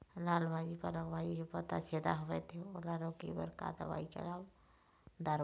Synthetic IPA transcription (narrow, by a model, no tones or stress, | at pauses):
laːlbʱaːd͡ʒipəɾləɡbʱaːd͡ʒikepət̪aseːd̪aɦobɛt̪ʰeolaːɾõkḭbə̰ɾka̰ːd̪ə̰ʋa̰ikḛlaːb | d̪əɾ